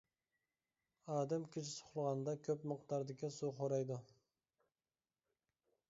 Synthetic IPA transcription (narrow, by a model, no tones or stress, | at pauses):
ɑːd̪ɛmkʲʰit͡ʃɪsʰʊ̥χlˠəʁɑnd̪ɑkʲʰøpməqt̪ɑɾd̪ɪkʲisuqʰoɾɑjd̪u